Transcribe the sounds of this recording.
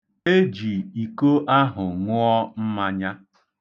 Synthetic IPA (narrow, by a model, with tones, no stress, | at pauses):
e˦d͡ʒi˨i˨ko˦ʔa˦ɦʊ˨ŋʊ˦ɔ˦m̩˦ma˦ɲa˦